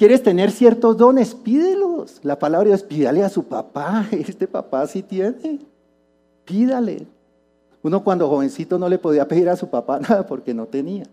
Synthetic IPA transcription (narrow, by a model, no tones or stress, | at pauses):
kje̞ɾe̞st̪e̞ne̞ɾsje̞ɾt̪o̞zd̪o̞ne̞spiðeloslapalaβɾajospiðaleasupa̰paest̪epa̰pasit̪je̞ne | piðalḛ | uno̞kwand̪o̞xo̞βe̞nsit̪o̞no̞le̞poð̞iape̞ðiɾasupapanaðapo̞ɾke̞no̞t̪e̞nia